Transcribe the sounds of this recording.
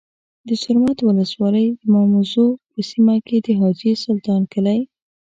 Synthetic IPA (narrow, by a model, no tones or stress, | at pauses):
d̪əsʊɾmɑt̪wʊləswɑləjd̪əmɑmuzopəsimaked̪əɦɑd͡ʒesʊlt̪ɑnkəlaj